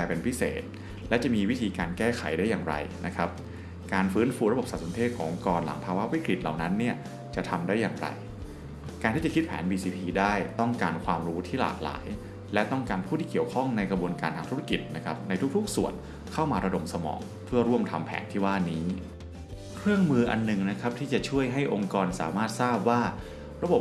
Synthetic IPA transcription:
ɛː˧˩pe˧npʰi˦˥sḛː˨˩t̪̚ | lɛ˦˥wt͡ɕa˨˩miː˧wi˦˥t̪ʰiː˧kaː˧nkɛː˥˩xʰa˨˩˦jdaː˥˩jaː˨˩ŋɾa̰˧jna˦˥kʰa˦˥p̚ | kaː˧nfɯː˦˥nfuː˧ɾa˧bo˨˩p̚sa˨˩t̪̚so˩˦nt̪ʰeː˥˩t̪̚kʰɔː˩˦ŋkɔː˧nla̰˩˦ŋpʰaː˧wa˦˥wi˦˥kɾi˨˩t̪̚la̰˨˩wna˦˥nːi˥˩ɐ | t͡ɕa˨˩t̪ʰa˧mdaː˥˩jːaː˨˩ŋɾa̰˧j | kaː˧nt̪ʰiː˥˩t͡ɕa˨˩kʰi˦t̪̚pʰɛ̰ː˩˦nbiː˧siː˧pʰiː˧daː˥˩jt̪ɔ˥˩ŋkaː˧nkʰwaː˧mɾuː˦˥t̪ʰiː˥˩la̰ː˨˩k̚la̰ː˩˦j | lɛ˦˥t̪ɔ˥˩ŋkaː˧npʰuː˥˩t̪ʰiː˥˩ki˨˩əwkʰɔ˥˩ŋna˧jkɾa˧bu˧ənkaː˧nt̪ʰaː˧ŋt̪ʰu˦˥a˥˧˩ki˨˩t̪̚na˦˥kʰa˦˥p̚na˧jt̪ʰu˦˥k̚t̪ʰu˥k̚su˨˩ən | kʰa˥˩wmaː˧ɾa˧do˧msa˧mɔ̰ː˩˦ŋ | pʰɯ˥˩əɾu˥˩əmt̪ʰa˧mpʰɛ̰ː˩˦nt̪ʰiː˥˩waː˥˩niː˦˥ | kʰɾɯ˥˩əŋmɯː˧ʔa̰˧nːɯ˨˩ŋna˦˥kʰa˦˥p̚t̪ʰiː˥˩t͡ɕa˨˩t͡ɕʰu˥˩əjɦa˥˩jʔo˧ŋkɔː˧nsa̰ː˩˦maː˥˩t̪̚saː˥˩p̚waː˥˩ | ɾa˧bo˨˩p̚

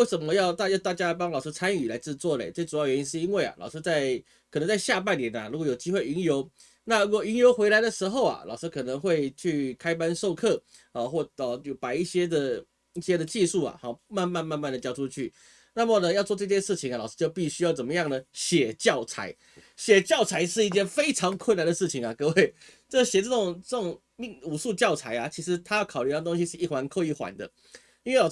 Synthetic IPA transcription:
we˥˩ɪʂə˨˩nmə˦jɑ˥˧ʊt̪a˥˧jt̪a˥˩t͡ɕja˥˦p̬ɑ˥ŋlɑ˨˩ʊʂɻ̩˥t͡sʰa˥ny˨˩la˧˥ɪt͡sɻ̩˥˧t͡swɔ˥˩lḛ˨˩ɪt͡sə˥˩ʈ͡ʂu˨˩jɑ˥˩ʊɥɛ˧˥ni˥nʂ̬ɻ̩˥˩i˥nwe˥˩ɪa̰˩lʔɑ̰˨˩ʊʂɻ̩˥t͡sa˥˧ɪ | kʰə˨˩nə˧˥ŋt͡sa˥˧ɪɕja˥˧p̬a˥˩njɛ˧˦na˨ɻu˧˥kɔ˧˥jo˨˩ʊt͡ɕi˥xwe˥˩ɪi˧˥ŋjo˧˥ʊ | na˥˩ɻu˧˥kwɔ˨˩i˧˥njo˧˥ʊxwe˧˥ɪla˧˥ɪd̪ə˨ʂɻ̩˧˥xo˥˩ʊa̰˩lɑ̰˨ʊʂɻ̩˥kʰɤ˨˩nə˧˦ŋxwe˥˧ɪt͡ɕʰy˥˩kʰa˥ɪpa˥nʂo˥˧ʊkʰɤ˥˩ | ɔ˨˩xwɔ˥˩ɔ˥˩˨pa˨˩i˥˩ɕjɛ˥d̪ə˨ | i˥˩ɕjɛ˥d̪ə˨t͡ɕi˥˧ʂu˥˩a̰˨˩hɔ˨˩ma˥˧nma˥˧nma˥˧nma˥˩nd̪ə˩t͡ɕjɑ˥ʊʈ͡ʂʰu˥t͡ɕʰy˥˩ | na˥˨˩mə˨˩nə˨jɑ˥˧ʊt͡swʈ͡ʂɤ˥˧t͡ɕjɛ˥˧nʂɻ̩˥˩t͡ɕʰi˧˦ŋa˨˩lɑ˨˩ʊʂɻ̩˥˧t͡ɕjo˥˧ʊpi˥˧ɕy˥jɑ˥˩ʊt͡sə˨˩nmə˦jɑ˥˩ŋnə˩ɕjɛ˨˩t͡ɕjɑ˥˩ʊt͡sʰa̰˧˥ɪ | ɕjɛ˨˩t͡ɕjɑ˥˩ʊt͡sʰa˧˥ɪʂɻ̩˥˧i˥˧t͡ɕjɛ˥˨nfe˥ɪʈ͡ʂʰɑ˧˥ŋkʰwʊə˥˩nːa˨nd̪ə˩ʂɻ̩˥˩t͡ɕʰi˨˩ŋa˩kɤ˥˧we˥˩ɪ | t͡ɕo˥˩ɕjɛ˨˩t͡sɤ˥˩ʈ͡ʂʊ˨˩ŋt͡sɤ˥˩ʈ͡ʂŋ | mi˥˩ŋu˨˩ʂu˥˧t͡ɕjɑ˥˩ʊt͡sʰa˧˥ɪa˨t͡ɕʰi˧˥ʂɻ̩˧˥t̪ʰa˥jɑ˥˩ʊkʰʊly˥˧˥t̪o˥ŋɕi˧˥ʂɻ̩˥˧i˥˩xwa˧˥nkʰo˥˧ʊi˥˩xwa̰˧˥nd̪ə̰˧˦ | i˥nwe˥˩l

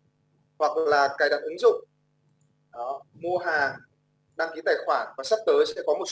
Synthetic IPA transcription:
hwa˨˩k̚laː˨˩kaː˨˩jɗa̰˧˨ʔɨ˨˦ŋzʊ̰˧˨ŋ͡m | ɗɔ˨˦mu˧əɦaː˨˩ | ɗaː˧ŋki˨˦t̪aː˨˩jxwaː˧˩nvaː˨˩sa˦˥p̚t̪əː˨˦jsɛ̰˧˥kɔ˨˦mo˨˩t̚s

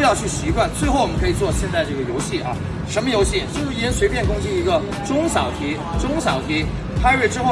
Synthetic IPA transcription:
jɑ˥˧ʊt͡ɕʰy˥˩ɕi˧˥kwa˥˧nt͡swe˥˧ɪxo˥˩ʊwɔ˨˩mə˦nkʰɤ˧˥i˨˩t͡swɔ˥˧ɕjɛ˥˧nt͡sa˥˧ʈ͡ʂɤ˥˩ɡə˩jo˧˥ʊɕi˥˩ʔɐ̰˧˩ | ʂə˧˥nmə˧jo˧˥ʊɕi˥˩t͡ɕjo˥˧ʂɻ̩˥˩i˧˥ə˥nswe˧˥ɪpʰjɛ˥˩nkʊ˥ŋʂ̩˥˩i˧˥ɡə˧ | ʈ͡ʂʊ˥ŋɕɑ̰˨˩ʊt̪ʰi˧˥ | ʈ͡ʂʊ˥ŋsjɑ˨˩ʊt̪ʰi˧˥ | pʰa˥ɥe˥˩ʈ͡ʂɻ̩˥xo˥˧˩

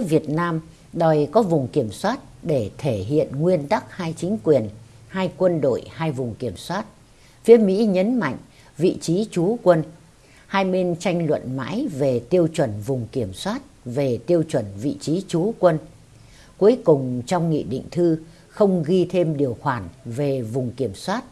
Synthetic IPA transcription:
vi˨˩ət̚naː˧m | ɗɔ˨˩jkɔ˨˦vʊ˨˩ŋ͡mki˧˩əmswaː˦˥t̚ɗe˧˩t̪ʰe˧˩ɦḭ˧˨ənŋwi˧ənt̪a˦˥k̚haː˧jt͡ɕï˨˦ŋ̟kwi˨˩ən | haː˧jkwə˧nɗo̰˧˨jhaː˧jvʊ˨˩ŋ͡mki˧˩əmswaː˦˥t̚ | fi˨˦əmḭ˧˥ɲə˨˦nma̰˧˨jŋ̟ | vḭ˧˨t͡ɕi˨˦t͡ɕu˨˦kwə˧n | haː˧jɓe˧nt͡ɕa˧jŋ̟lwə̰˧˨nma̰ː˧˥jve˨˩t̪i˧əwt͡ɕwə˧˩nvʊ˨˩ŋ͡mki˧˩əmswaː˦˥t̚ve˨˩t̪i˧əwt͡ɕwə˨˩nvḭ˧˨t͡ɕi˨˦t͡ɕu˨˦kwə˧n | ku˨˦əjkʊ˨˩ŋ͡mt͡ɕɔ˧wŋ͡mŋḭ˧˨ɗḭ˧˨ŋ̟t̪ʰɨ˧ | xə˧wŋ͡mɣi˧t̪ʰe˧mɗi˨˩əwxwaː˧˩nve˨˩vʊ˨˩ŋ͡mki˧˩əmswaː˦˥t̚

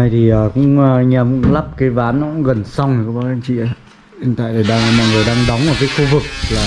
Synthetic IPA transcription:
a˧˩jt̪ʰi˨˩ʔəː˨˩kʊ̰˧˥ŋ͡mɲa˧˩mkʊ̰˧˥ŋ͡mla˦˥p̚kaː˨˦jvaː˨˦nːɔ˨˦kʊ̰˧˥ŋ͡mɣə˨˩nsɔ˧wŋ͡mkːɓaː˧˦a˧ŋt͡ɕḭ˧˨a˨˦ | i˧nt̪a̰ː˧˨t̪ʰə˨˩ɗaː˧˩mɔ̰˧˨ŋɨ˨˩əjɗaː˧ŋɗa˨˦wŋ͡mʔə˨˩kəː˨˦xu˧vɨ˨˩k̚laː˨˩

